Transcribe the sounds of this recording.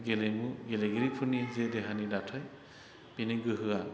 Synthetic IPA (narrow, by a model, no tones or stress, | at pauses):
ɡelejmuɡeleɡɯɾipʰɯnizedɛɦanidatʰaj | piniɡɯɦɯa